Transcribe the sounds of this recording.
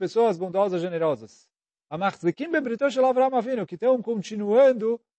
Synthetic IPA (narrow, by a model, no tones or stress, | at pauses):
pesoɐzbõnd̪ɔzɐʒeneɾɔzɐs | amaχzɪkĩmbebɾit̪oʃ̬elavɾamavinʊkɪt̪ɐ̃w̃kõnt͡ʃinuɐ̃nd̪ʊ